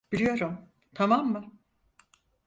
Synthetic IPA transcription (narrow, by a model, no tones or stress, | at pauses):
b̥iɾʲijo̞ɾum | t̪ʰamamːɯ